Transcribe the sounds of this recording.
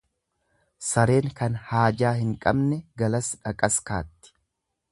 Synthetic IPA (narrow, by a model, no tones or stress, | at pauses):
sɐɾe̞ːŋkɐnhaːd͡ʒaːhɪŋkʼɐ̰bnɛɡɐlɐsᶑɐkʼɐska̰ːt̪ːɪ̥